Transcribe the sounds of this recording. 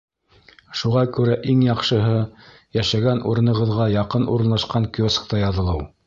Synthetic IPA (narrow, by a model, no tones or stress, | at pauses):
ʃuʁɑkʉɾæʔiŋjɑqʃɤ̆ɦɤ | jæʃæɡænʔṵɾɤ̆nɤ̆ʁɤ̆ðʁɑjɑqɤnṵɾɤ̆nlˠɑʃqɑŋkjosk̚t̪ɑjɑðɤ̆lˠɤw